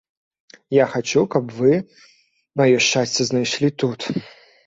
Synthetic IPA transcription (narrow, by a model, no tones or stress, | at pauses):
jaxat͡ʃukɐbvɨ | mɐjɔʂt͡ʃasʲt͡sʲɛznajʂlʲit̪ut̪